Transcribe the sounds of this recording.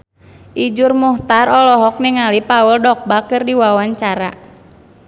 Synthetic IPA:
ʔid͡ʒurmuht̪arɔlɔɦɔk̚niŋalipauldɔk̚bakɨrdiwawaɲt͡ʃaɾa̰

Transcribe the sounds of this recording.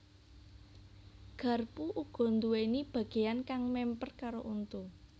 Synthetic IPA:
ɡ̥a̤rpuʔuɡ̥ɔ̤nd̪uwenib̥ä̤ɡ̥e̤jankaŋmɛmpərkaɾoʔunt̪u

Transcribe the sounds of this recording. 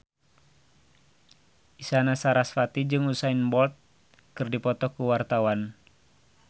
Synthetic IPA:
isanasaɾasfat̪id͡ʒɨŋusainbɔlt̪̚ | kɨrdipɔt̪ɔkuwart̪awan

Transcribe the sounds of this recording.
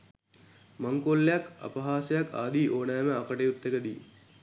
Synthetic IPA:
maŋkolːejaka̰pɐɦaːsəjaka̰ːd̪iːʔoːnæːməakəʈejut̪ːekəd̪iː

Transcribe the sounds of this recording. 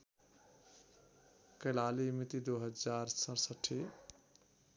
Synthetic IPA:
kəlalimit̪id̪oɦəd͡ʒaɾsə̃ɾsəʈʰːi

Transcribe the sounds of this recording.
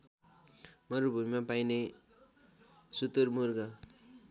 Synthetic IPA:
mʌɾubʱumimapajne | sut̪uɾmurɡʌ

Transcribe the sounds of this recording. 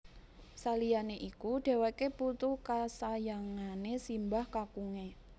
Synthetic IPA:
salianeʔikuɖ̥e̤wakeput̪ukasajaŋanesimbahkakuŋe

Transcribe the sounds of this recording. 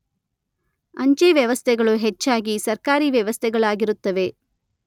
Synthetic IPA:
ɐɲt͡ʃeʋjɐʋɐst̪ʰɛɡɐɭuɦet͡ʃːaːɡisɐɾkaːɾiʋjɛʋɐst̪ʰɛɡɐɭaːɡiɾut̪ːɐʋe̞

